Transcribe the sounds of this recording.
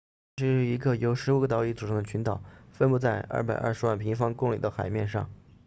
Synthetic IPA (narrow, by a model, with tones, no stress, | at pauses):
ʂɻ̩˧˥ʂɻ̩˥˩i˧˥ɡə˧jo˧˥ʊʂɻ̩˧˥u˨˩ɡə˦t̪ɑ˧˥ʊi˧˥˩t͡su˨˩ʂʰɑ˥ŋd̪ə˧t͡ɕʰy˧˥nt̪ɑ˨˩˦ʊfə˥˧npu˥˧t͡sa˥˧ɪʔɐ̰˥˩pa˨˩ɪʔɐ̰˥˧ʂɻwa˥˩npʰi˧˥ŋfɑ˥ŋkʊ˥˩ŋlḭ˨˩d̪ə˦xa˨˩ɪmjɛ˥˧nʂɑ̰˥˩ŋ